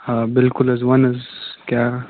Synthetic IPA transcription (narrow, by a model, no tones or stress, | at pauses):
abɪlkʊlɐzwanɐzka